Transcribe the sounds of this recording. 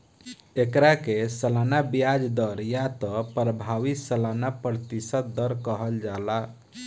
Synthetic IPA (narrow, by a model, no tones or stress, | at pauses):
ekɾakesəlanabijad͡ʒd̪ɔɾjat̪ɔpɾəbʱaʋisəlanapɾt̪isət̪̚d̪ɔɾkəɦəld͡ʒala